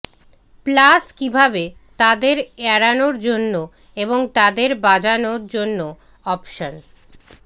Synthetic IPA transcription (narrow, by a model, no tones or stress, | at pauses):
plaskibʱabe | t̪ad̪eɾɛɾanoɾd͡ʑonːo | eboŋt̪ad̪eɾbad͡ʑanoɾd͡ʑonːo | ɔpʃon